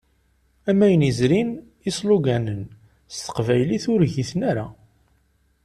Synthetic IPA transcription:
æmːæjənizɾin | isluɡænən | st̪ə̥qvæjliθʊɾʝiθnaɾa

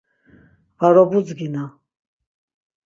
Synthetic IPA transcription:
vaɾɔbud͡zɡina

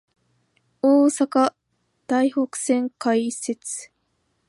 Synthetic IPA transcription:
oːsaka | d̪̥aiho̞kɯ̟̥sẽ̞ŋkaise̞t͡sɨ̥

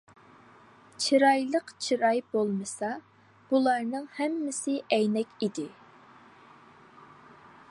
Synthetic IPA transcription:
t͡ʃʰiɾɑjlˠəqt͡ʃʰiɾɑjbolˠmɨsɑ | b̥ulˠɑɾnɨŋhɛmːɪsɪʔɛjnɛkʲid̪ɪ

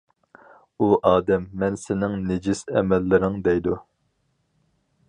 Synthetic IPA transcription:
uʔɑːd̪ɛmːɛnsɪnɪŋnɪd͡ʒisɛ̰mɛlːɪɾɪŋd̪ɛjd̪u

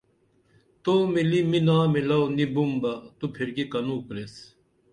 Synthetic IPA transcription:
t̪oːmiliminaːmelɐwnibumbɐt̪upʰiɾɡikɐnuːkɾes

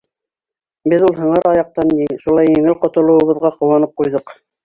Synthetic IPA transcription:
bɘðulˠɦɤ̆ɴɤɾɑjɑq̚t̪ɑnjiʃulˠɑjĭŋɘlqŏt̪ŏlˠɤ̆wɤ̆βɤ̆ðʁɑqŏwɑnɤp̚qujðɤq

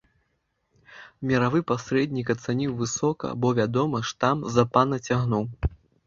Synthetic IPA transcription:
mʲɐɾavɨpasʲɾɛd̪ʲnʲikɐt̪sanʲiwvɨsɔkɐ̰bɔvʲad̪ɔmɐʂt̪amzɐpanɐt͡sʲaɣnuw

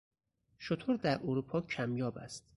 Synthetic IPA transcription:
ʃot̪ʰoɾd̪æɾʔoɾuːpʰɒːcʰæmjɒːbæ̰st̪

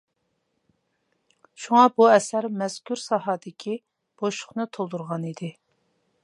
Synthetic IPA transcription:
ʃuŋɑbuɛsæɾmɛz̥kʲʰyɾsɑɦɑːd̪ɪkʲʰi | b̥oʃʊ̥χnɨt̪ʰolˠd̪uɾʁɑnid̪ɪ

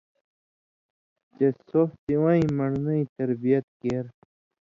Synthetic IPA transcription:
t͡ɕesoht̪iwãĩmɐɽnɐĩt̪ɐɾbijɐt̪̚keːɾ

